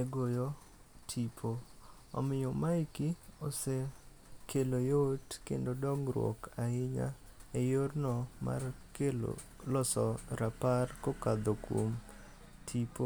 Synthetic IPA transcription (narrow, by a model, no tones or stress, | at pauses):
eɡojo | tʰipʰo | ɔ̰mɪjomaɪkiose | kʰelojotkḛndodɔŋɾwɔ̰kaɪɲa̰ | ejornɔma̰rkelo̰ | lɔsɔɾaparkokad̪okwo̰m | tʰipo